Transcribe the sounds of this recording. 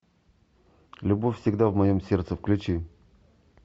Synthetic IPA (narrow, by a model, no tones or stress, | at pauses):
lʲʊbofʲfsʲɪɡd̪avmɐjomsʲe̞rt̪səfklʲʊt͡ɕi